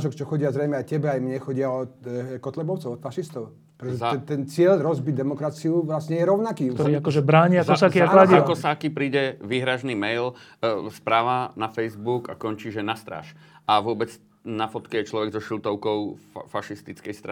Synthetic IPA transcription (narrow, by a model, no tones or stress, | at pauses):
ʒɔkt͡ʃɔxɔɟɪazɾɛjmɛajcɛbɛajmɲɛxɔɟɪaɔkɔt̪lɛbɔʊt͡sɔʊɔt̪faʃist̪ɔʊ | pɾɛt̪ɔʒɛɛt̪ɛnt͡sɪɛʎɾɔzbiɟd̪ɛmɔkɾat͡siuʋlasɲɛjɛɾɔʊnakiːɔiakɔʒɛbɾaːɲiaɔsaːkiaklaiakɔsaːkipɾiːɟɛʋiɦɾaʒnimɛjl | spɾaːʋanafɛjzbuka̰kɔɲt͡ʃiːʒɛnast̪ɾa̰ːʃ | aʋʊɔbɛd͡z | nafɔt̪kɛjɛt͡ʃlɔʋɛɡzɔʃilt̪ɔʊkɔʊfaʃist̪it͡skɛjst̪ɾa